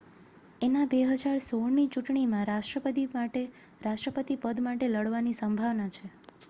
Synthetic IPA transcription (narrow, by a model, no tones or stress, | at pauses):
enabeɦəd͡ʒaɾsoɭnit͡ʃuʈɳimãɾaʃʈɾəpət̪iaʈe | ɾaʃʈɾəpət̪ipəd̪maʈeləɽʋanisəmbʱaʋnat͡ʃʰe